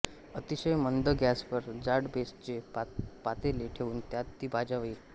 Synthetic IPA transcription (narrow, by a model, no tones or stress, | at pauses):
ət̪iɕəjmənd̪əɡjaspəɾd͡ʑaɽbest͡ɕepat̪eleʈʰeʋuːnt̪jat̪ːiːbʱad͡ʑaʋiː